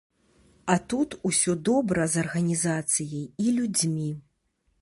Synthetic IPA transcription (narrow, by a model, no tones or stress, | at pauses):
ɐt̪ut̪usʲɔd̪ɔbɾɐzɐrɣɐnʲizat̪sɨjɐjilʲud͡zʲmʲi